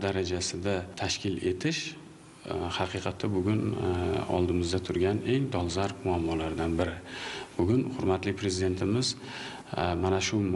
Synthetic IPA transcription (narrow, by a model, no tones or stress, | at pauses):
d̪aɾad͡ʒasɪd̪at̪ʰaʃkʲʰɪle̞t̪ʰɪʃ | hɑqʰɨqʰɑt̪ʰːabʊɡʲʊnɒ̰lˠd̪ɪmɪzd̪at̪ʰʊɾɡʲane̞ŋd̪ɒlˠzaɾpmʊamːɒlaɾd̪anbɪɾɪb̥ʊɡʲʊnhʊɾmat̪lɪkʲpʰɾe̞zɪd̪e̞nt̪ʰɪmɪz | manaʃʊ